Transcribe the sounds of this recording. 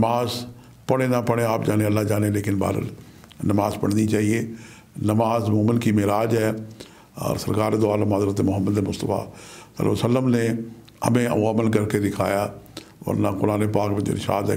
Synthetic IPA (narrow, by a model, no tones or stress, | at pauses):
nmaːz | pəɽ̃enapəɽ̃eaːpd͡ʒaːnẽəlːad͡ʒaːnẽleːkɪnba̰ːɾə̰l | nɐmaːzpəɽnit͡ʃaːɦieː | nəmaːzmʊːmənkimeːɾaːd͡ʒɦɛː | ɔ̰ːɾsəɾkaːɾed̪ʊaːlmaːzɾət̪emʊɦəmːəd̪emʊst̪əfa̰ːsə̰lːa̰ːsəlːəmne | ə̰mẽə̰aːmənk̬əɾked̪ɪkʰa̰ːja | ʋɐ̰ɾnãkʊɾaːnepaːkmẽd͡ʒḛnɪ̰ʃa̰ːd̪ɦɛ̰